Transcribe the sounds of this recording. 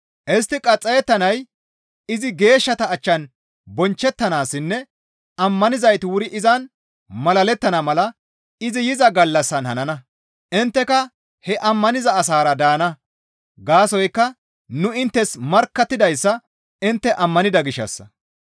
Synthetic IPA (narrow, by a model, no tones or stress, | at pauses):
ʔɛs̬t̪ːɪkʼɐt͡sʼːɐjɛt̪ːɐnɐj | ɪzɪɡe̞ːʃːɐt̪ɐːt͡ʃːɐn | bɔnt͡ʃːɛt̪ːɐnaːsːɪnːɛ | ɐmːɐnɪzɐjt̪ɪwʊɾɪʔɪzɐn | mɐlɐlɛt̪ːɐnɐmɐlɐ | ɪzɪjɪzɐɡɐlːɐsːɐnhɐnɐnɐ | ɪnt̪ːɛkɐ | hɛʔɐmːɐnɪzɐːs̬aːɾɐd̪aːnɐ | ɡaːsɔjkːɐ | nʊɪnt̪ːɛsmɐɾkːɐt̪ːɪd̪ɐjsːɐ | ɪnt̪ːɛʔɐmːɐnɪd̪ɐɡɪʃːɐ̰sːɐ̰